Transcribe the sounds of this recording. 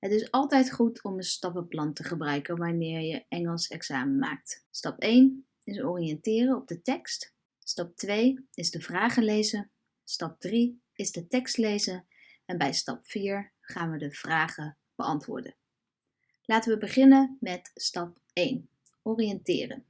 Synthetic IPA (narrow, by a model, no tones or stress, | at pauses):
ɦətɪsɑlˠtɛjtχutʰɔmənstɑpəplɑntəχəbrœɥkənʋaːɹmɪːɹjəʔɛŋəlˠsɛksaːmənma̰ːk̚tstɑpejn | ɪsɔːrijɛntɪːrəɔb̚dətɛkst | stɑp̚tʋejɪzdəvraːχəlejzən | stɑp̚dri | ɪzdətɛkstlejzən | ɛnbɛjstɑpfiːɹ | χaːnʋədəv̥raːχə | b̥əɑntʋʊ̰ːɹdə̰n | laːtəʋəbəχɪnənmɛtstɑp̚ | ejn | ɔrijɛntɪ̰ːrə̰n